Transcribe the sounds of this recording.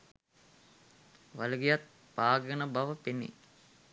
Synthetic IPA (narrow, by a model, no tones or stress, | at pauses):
ʋaluɡijat̪̚ | paːɡənəbaʋəpenḭ